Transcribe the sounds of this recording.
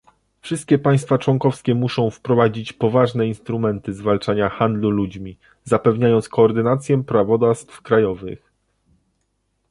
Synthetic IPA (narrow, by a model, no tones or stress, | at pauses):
fʂɘst̪̚kʲɛpaj̃st̪fat͡ʂwɔŋkɔfskʲɛmuʂɔ̃w̃fpɾɔvad͡ʑit͡ɕpɔvaʐnɛinst̪ɾumɛnt̪ɘzvalt͡ʂaɲaxand̪lulud͡ʑmʲi | zapɛvɲajɔnt̪skɔːɾd̪ɘnat̪sʲjɛpɾavɔd̪ast̪fkɾajɔvɘ̰x